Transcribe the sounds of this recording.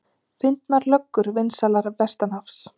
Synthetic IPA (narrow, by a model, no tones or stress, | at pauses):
fɪnt̪naɾlœkːʏɾvɪnsalaɾvɛst̪anafs